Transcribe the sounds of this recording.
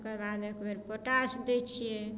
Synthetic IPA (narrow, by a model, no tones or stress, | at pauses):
kəɾbad̪ekbeɾpɔʈasd̪ɛt͡ʃʰijɛ